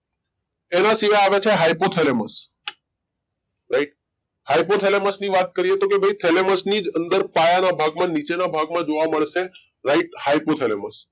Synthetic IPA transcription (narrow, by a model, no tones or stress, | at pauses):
enasiʋajaʋet͡ʃʰeɦaipot̪ʰeleməs | ɾaiʈ̚ | hajpot̪ʰeleməsniʋat̪̚kəɾiɦet̪okebʱəit̪ʰeleməsnid͡ʒənd̪əɾpajanabʱaɡmãnit͡ʃenabʱaɡmãd͡ʒoʋaməɭʃe | ɾaiʈhaipot̪ʰeleməs